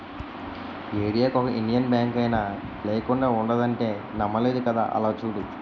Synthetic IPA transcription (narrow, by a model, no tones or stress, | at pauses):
eːɾijeːkɔkɐʔinijɐnbjaːŋkɐjnaː | leːkuɳɖaːuɳɖɐd̪ɐɳʈe̞ːnɐmːɐle̞ːd̪ikɐd̪a̰ːʔɐ̰laːt͡ʃuːɽu